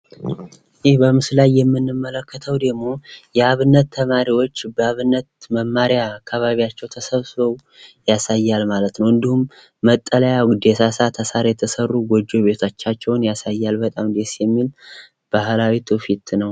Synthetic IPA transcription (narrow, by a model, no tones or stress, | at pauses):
ʔjehbəmɨslajːɛmːɨnːɨmːələkʰːət̪ʰəwd̪əɡmo̞jɛaβɨnːət̪ʰːəmaɾiwo̞t͡ʃːbəaβɨnːət̪̚məmːaɾjaːkːaβaβiat͡ʃːɛwt̪ʰəsəβsɨəw | jasajːalmalət̪nəwɨnd̪ihumː | ət̪ʼːələjad̪esasat̪ʰəsaɾjɛt̪ʰəsərːuɡod͡ʒːo̞βe̞t̪ʰat͡ʃːat͡ʃːɛwnjasajːalbət̪ʼamd̪e̞sjɛmːil | b̥ahlawit̪ʰufit̪nəw